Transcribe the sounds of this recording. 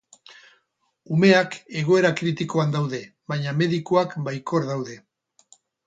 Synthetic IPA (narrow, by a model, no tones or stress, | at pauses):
ume̞ake̞ɣ̞o̞e̞ɾakɾit̪iko̞and̪awðe̞βajɲame̞ðikoakbajko̞ɾðawðe̞